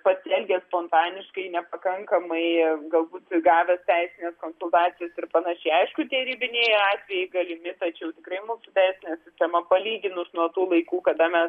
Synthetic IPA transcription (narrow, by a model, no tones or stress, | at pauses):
pɐsʲɪɛlʲɡʲespoːnt̪ɑːnʲɪʃkɐɪnʲɛpɐkɐŋkɐmɐɪɡɐlˠbuːt̪ɡɑːʋʲɛst̪ʲɛɪsʲɪnʲeːskoːnsʊlˠt̪ɑːt͡sʲɪjɛsɪrpɐnɐʃʲɛɪɐɪʃkʊt̪ʲɛɾʲiːbʲɪnʲeːɪɑːt̪ʲʋʲɛjɛɪɡɐlʲɪmʲɪt̪ɐt͡ʃʲɛʊt̪ʲɪkrɐɪmuːsʊt̪ʲɛɪsʲɪnʲɛsʲɪsʲt̪ʲɛmɐpɐlʲiːɡʲɪnʊsnuɔt̪uːlˠɐɪkuːkɐd̪ɐmʲɛs